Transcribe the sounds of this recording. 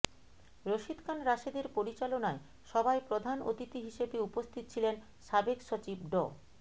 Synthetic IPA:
ɾoʃid̪kʰanɾaʃed̪eɾpoɾit͡ɕalonae | ʃɔbaepɾod̪ʱano̰t̪it̪iɦiʃebeupost̪ʰit̪ot͡ɕʰilen | ʃabekʃot͡ɕibɖɔ̰

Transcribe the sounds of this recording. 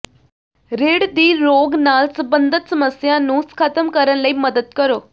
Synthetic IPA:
ɾeɽd̪iːɾoɡnalsəbənd̪ʱət̪səməsjanũːskʰat̪əmkəɾənləiːməd̪ət̪kəɾo

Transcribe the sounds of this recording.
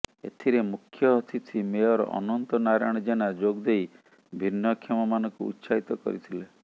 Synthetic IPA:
ḛt̪ʰiɾemukʰjɔɦɔt̪ʰit͡ʃʰimeɔɾɔ̰ʔɔ̰nɔnt̪ɔnaɾaɽ̃ɔd͡ʒeñad͡ʒoɡd̪ej | bʱinːɔkʰɔmɔmanɔŋkṵːt̪ːsait̪ɔkɔ̰ɾit̪ʰile

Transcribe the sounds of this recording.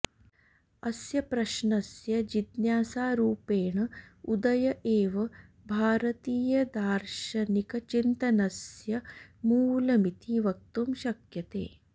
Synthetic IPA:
ɐsjɐpɾɐʃɳɐsjɐd͡ʒid̪njaːsaːɾuːpeːɳɐud̪ɐjɐʔeːʋɐ | bʱaːɾɐt̪iːjɐd̪aːɾʃɐnikɐt͡ʃint̪ɐnɐsjɐmuːlɐmit̪iːʋɐk̚t̪umʃɐkjɐt̪ḛː

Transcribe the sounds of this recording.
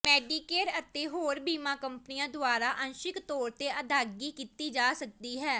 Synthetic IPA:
mɛːɖiːkeːʈət̪eːɦoːɾbiːmãːkəmpniːãːd̪ʊaːɾaːʔənʃɪkt̪ɔːɾt̪eːʔəd̪ʱaːɡiːkiːt̪iːd͡ʒaːsək̚d̪iːɦɛː

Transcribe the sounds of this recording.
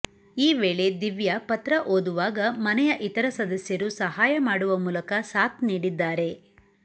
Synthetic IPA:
iːʋeːɭe̞d̪iʋjɐpɐt̪ɾɐʔoːd̪uʋaːɡɐmɐnɛjɐʔit̪ɐɾɐsɐd̪ɐsjɐɾusɐɦaːjɐmaːɽuʋɐmuːlɐkɐsaːt̪niːɽid̪ːaːɾe̞

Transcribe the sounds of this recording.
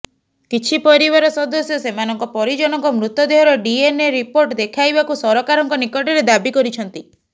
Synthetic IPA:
kit͡ʃʰipɔɾibaɾɔsɔd̪osjɔsemanɔŋkɔpɔɾid͡ʒɔnɔŋkɔmɾut̪ɔd̪eɦɔɾɔɖieneɾipoɾʈd̪ekʰajbakusɔɾɔkaɾɔŋkɔnikɔʈɔɾed̪abikɔɾit͡ʃʰɔnt̪i

